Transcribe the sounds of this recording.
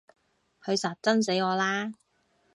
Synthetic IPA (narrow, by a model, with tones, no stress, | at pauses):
hʰɵ˨˧ɥsaː˨˩t̚t͡sɐ˥ns̬e˨˥jɔː˨˧laː˥